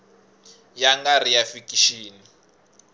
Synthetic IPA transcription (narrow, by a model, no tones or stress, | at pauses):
jaŋɡar̤ijafikʼiʃiːni